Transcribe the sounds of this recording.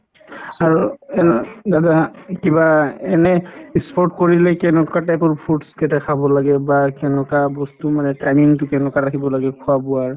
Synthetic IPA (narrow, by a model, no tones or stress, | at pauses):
aɹuɛdadakibaɛnɛispɔɹtkoɹilɛkɛnɔkatɛkɔnpʰuʈskɛtɛkʰabɔlaɡɛbakɛnɔkabɔstumanɛtajmiŋtʊkɛnɔkaɹakʰibɔlaɡɛkʰuapuaɹ